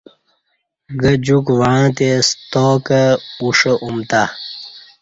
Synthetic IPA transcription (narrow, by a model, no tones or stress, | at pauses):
ɡəd͡ʑukwaãt̪est̪oːkəuʂəʔumt̪a